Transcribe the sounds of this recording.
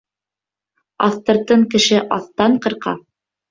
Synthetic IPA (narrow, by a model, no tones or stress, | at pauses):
ɑ̰θt̪ɤ̆ɾt̪ɤɴkɘ̆ʃɘʔɑθt̪ɑɴqɤ̆ɾqɑ̰